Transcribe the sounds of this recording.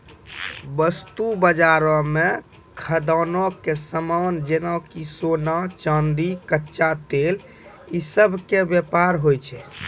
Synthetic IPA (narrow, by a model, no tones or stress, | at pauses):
bəst̪ubəd͡ʒaɾɔme | kʰəd̪anɔkesəmand͡ʒenakisonat͡ʃənd̪ikətːʃat̪el | isəbʱkebjepaɾɦojt͡ʃʰɛ